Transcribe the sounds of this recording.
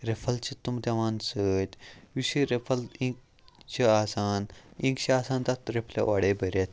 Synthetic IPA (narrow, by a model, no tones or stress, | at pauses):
ɾepʰɐlt͡ɕit̪ːumt̪eʋansət̪ʲʋiɕiɾepʰɐlĩk̚ | t͡ɕiasanĩŋkt͡ɕiasãnt̪at̪ɾepʰlḛʋaɽebəɾet̪